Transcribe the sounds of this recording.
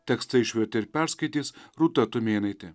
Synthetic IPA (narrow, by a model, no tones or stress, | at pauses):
t̪ʲɛkst̪ɐɪʃʲʋʲɛt̪ʲɪɪɾpʲæɾskɐɪt̪ʲiːsɾuːt̪ɐt̪ʊmʲeːnɐɪt̪ʲɪ